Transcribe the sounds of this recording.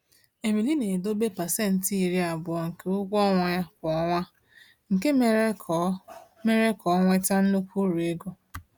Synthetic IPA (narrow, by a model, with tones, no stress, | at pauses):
e˨mi˨li˦ne˨do˦be˦pa˨se˦n̩˨ti˦i˨ɾi˦a˨bʊ˨ɔ˨ŋ̩˨ke˦ʊ˦ɡʷɔ˦ŋʷa˨ja˦kʊ˨ɔ˨la˦ | ŋ̩˨ke˦me˦ | me˦ɾe˦kɔ˨˦ŋʷe˦ta˦n̩˦no˦kʷu˦ɾu˨e˦ɡo˦